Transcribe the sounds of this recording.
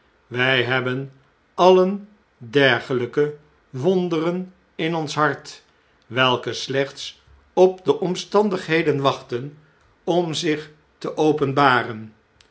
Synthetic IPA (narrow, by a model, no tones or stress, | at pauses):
ʋɛjɦɛbən | ɑlən | dɛɹχələkə | ʋɔndərən | ɪnɔnsɦɑɹt | ʋɛlˠkəslɛχts | ɔp̚dəʔɔmstɑndəχɦejdənʋɑχtən | ɔmzɪχ | təʔowpənbaːrən